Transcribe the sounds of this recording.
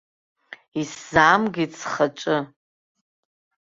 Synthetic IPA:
iszamɡʲit͡sʰχaʈ͡ʂʼɨ

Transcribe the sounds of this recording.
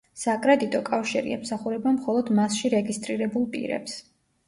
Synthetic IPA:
sakʼɾɛd̪it̪ʼɔkʼafʃiɾḭɛ̰msaχuɾɛbamχɔlˠɔd̪masʃiɾɛɡist̪ʼɾiɾɛbulˠpʼḭɾɛ̰ps

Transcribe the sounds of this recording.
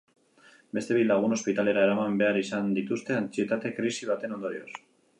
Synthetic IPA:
be̞st̪e̞βilaɣ̞uno̞spit̪ale̞ɾaeɾamambe̞aɾisand̪it̪ust̪e̞ant͡sie̞t̪at̪e̞kɾisiβat̪e̞no̞nd̪o̞ɾios

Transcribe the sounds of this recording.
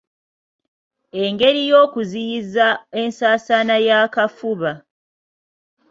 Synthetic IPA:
e̞ŋɡe̞ɾijo̞ːkuzijizaensaːsanajaːkafuβa

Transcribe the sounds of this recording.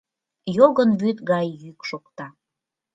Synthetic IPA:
joɣənβyt̪ɡɑjːykʃokt̪ɑ

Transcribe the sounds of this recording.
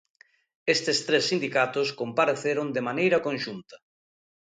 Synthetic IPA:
est̪ɪst̪ɾesːind̪ikat̪ʊskompaɾeθeɾond̪emanejɾɐkonʃunt̪ɐ̥

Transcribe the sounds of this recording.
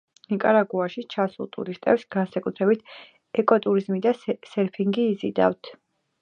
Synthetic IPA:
nikʼaɾaɡuaʃit͡ʃʰasṵlˠt̪ʼṵɾist̪ʼɛ̰psɡ̥ansakʼut̪ʰɾɛbit̪ʰ | ɛkʼɔt̪ʼuɾizmid̪asɛɾpʰiŋɡiːzḭd̪a̰ft̪ʰ

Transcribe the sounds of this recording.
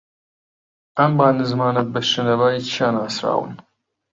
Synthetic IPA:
ɐmbaːnɨzmaːnɐt̪̚bɐʃɪnɐvaːjit͡ʃʰiaːnaːsɾa̰ːwɨ̰n

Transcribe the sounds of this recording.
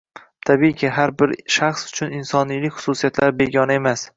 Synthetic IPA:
t̪ʰabikʲʰɪɦaɾbɪɾʃaχsʊ̥t͡ʃʰʊnɪnsɒnijlɪkʲχʊ̥susijat̪laɾbe̞ɡʲɒnɪe̞mas

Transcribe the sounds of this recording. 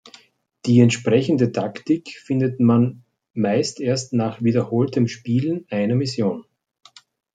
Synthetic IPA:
d̥iːɛntʃpʁ̥ɛçəndətʰaktɪkfɪndətman | maɪstʔeːɐstnaːχviːdɐhoːltəmʃpiːln̩ʔaɪnɐmɪsjoːn

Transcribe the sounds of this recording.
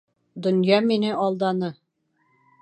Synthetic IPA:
d̪ŏnjɑminɘʔɒlˠd̪ɑnɤ

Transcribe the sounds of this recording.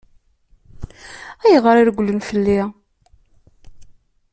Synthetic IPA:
æjʁəɾiɾɡʷlənfəlːi

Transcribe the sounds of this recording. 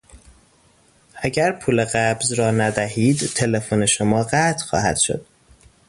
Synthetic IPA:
ʔæɟæɾpʰuːle̞ɣæbzɾɒːnæd̪æhiːd̪t̪ʰe̞le̞fone̞ʃomɒːɢæt̪ʰxɒ̰ːhæ̰d̪̥ʃo̰d̪̥̚

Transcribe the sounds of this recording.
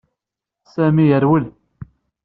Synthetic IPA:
sæmijəɾwəl

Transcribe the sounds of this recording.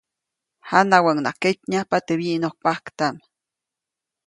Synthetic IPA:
hanawaŋnaketɲapat̪eβiʔnoh̚pahkt̪am

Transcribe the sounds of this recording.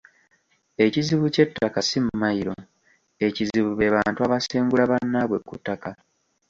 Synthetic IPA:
e̞ciziβuce̞tːakasimumajiɾo̞ | e̞ciziβuβe̞βaːntuaβaseːŋɡulaβanːaβwe̞kːṵtːaka

